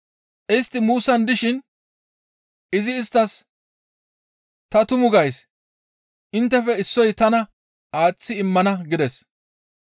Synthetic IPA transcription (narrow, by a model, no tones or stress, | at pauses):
ʔɪst̪ːɪmuːsɐnd̪ɪʃɪn | ʔɪzɪːst̪ːɐs | t̪ɐt̪ʊmʊɡɐjs | ʔɪnt̪ːɛfɛɪsːɔjt̪ɐnɐ | aːt͡sːɪɪmːɐnɐɡɪd̪ɛs